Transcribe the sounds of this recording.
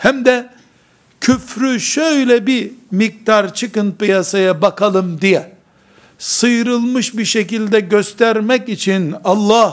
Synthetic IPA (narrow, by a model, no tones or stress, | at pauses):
hæmd̪ɛ | cʰyfɾyʃøjlʲɛbimik̚t̪aɾt͡ʃʰɯkɯn̚pɯjasajabakʰalˠɯmd̪ijɛ | sɯjɾɯlˠmɯʃbiʃecilʲd̪ɛɟøst̪ʰæɾmɛcit͡ʃʰinɑlˠːɑh